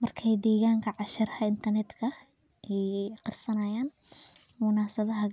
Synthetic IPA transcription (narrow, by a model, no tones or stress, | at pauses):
mɐrkʰɛjd̪ɛːɣaːŋkʰɐʕɑʃɐrɐhɐɪnt̪ʰɐrnɛd̪kʰɐʔɛjqɑrsɐnɐjaːnmʊnaːsɐðɐɦɐ